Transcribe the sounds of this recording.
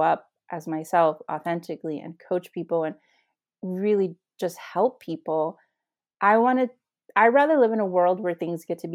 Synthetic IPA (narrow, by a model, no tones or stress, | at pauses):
ʌp̚ | ʔɨzmaɪsɛlˠfɔ̰θɛ̃ntɨkliʔɨ̰̃nkʰoʊt͡ʃpʰipl̩ˠə̃n | ɹɪlˠi̥ | d͡ʒʌst̚hɛlˠpʰipl̩ˠ | ʔaɪwɑ̃ñɨ | aɪɹæðə˞lɪvɨ̃nəwɜ˞lˠd̚wə˞θɪ̃ŋzɡɛtʰɨb